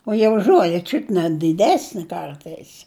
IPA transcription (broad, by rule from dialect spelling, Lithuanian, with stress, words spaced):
oː ˈjiɛ ʊʃ ˈʒuɔlʲɛ ˈt͡ʃʲʊt nʲɛ dʲɪˈdʲæːsʲnʲɪ ˈkɐrtɐɪs